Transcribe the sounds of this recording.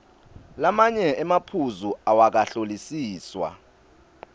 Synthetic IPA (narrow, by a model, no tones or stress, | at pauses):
lamaɲɛɛmapʰuzuawak̬aɬolisiːswa̰